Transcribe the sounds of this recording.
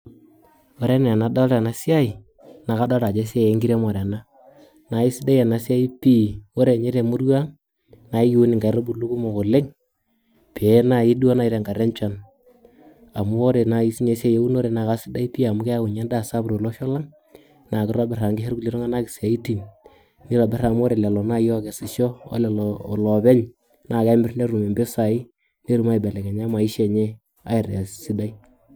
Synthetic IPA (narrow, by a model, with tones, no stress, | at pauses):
o˨ɾe˦n˨a˨na˨da˦lɾa˨na˨˦sɪ˦a˦i˨ | na˨ka˦da˦ɾa˨d͡ʒe˦s̬ɪ˦a˦je˦ŋɡi˦ɾe˦mo˨ɾa˨na˦ | na˨i˦sɪ˦da˦ɛ˨na˨sa˦i˦pi˦o˦ɾe˨ɲe˦ɾe˨mʊ˦ɾwa˦ŋ | na˨˦i˦ki˦u˦nɪ˨ŋɡa˨˦ɾo˦bu˨lu˦ku˦mo˨ko˨le˦ŋ | pe˨˦na˨ɪ˦do˦na˨i˦ɾe˨ŋɡa˨ɾe˦nt͡ʃa˦n | a˨mʊ˦o˦ɾe˨na˨i˦si˦ɲe˨˦se˦je˦u˦no˦ɾe˨na˨ka˦sɪ˦da˦i˦pi˦a˨mʊ˦kɛ˦a˦ku˨ɲɛ˦nda˦˨sa˦bɾo˨lɔ˦ʃɔ˦la˦ŋ | na˨kɪ˦ɾo˦bɛ˨ra˨ŋɡɪ˦ɦɛ˦ɾɡu˦li˦ɾo˦ŋa˦na˦kɪ˨sa˨i˦ti˨n | ni˦lɔ˨bɛ˦ra˨m˦o˦ɾe˨lɛ˨lɔ˨na˦jɔ˦kɛ˨sɪ˨ʃɔ˦ɔ̰˦lɛ˨llɔ˨bɛ˦ɲ | nʔa˨ka˦mbɪ˦rne˦ɾu˨me˨mbe˦sa˨i˦ | ne˦ɾu˨ma˦i˨bɛ˨lɛ˨kɛ˨ɲa˦ma˨i˦ʃe˨ɲe˦ | a̰˦ɪ˨ɾa˨ssi˦da˦i˦